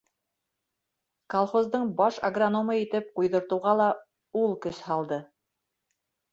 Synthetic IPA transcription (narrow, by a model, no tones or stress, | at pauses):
kolˠχozd̪ɤɴbɑʃɐ̰ɡronomɤit̪ɘp̚qujðɤ̆ɾt̪ɤ̆wʁɑlˠɑ | ulˠkɵshɑlˠd̪ɤ